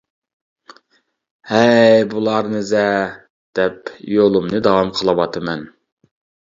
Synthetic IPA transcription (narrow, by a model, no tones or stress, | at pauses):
hɛjbulˠɑɾnɨzɛ | d̪̥ɛpjolˠumnɨd̪ɑwɑmqʰəlˠɑwɑt̪ʰɨmɛn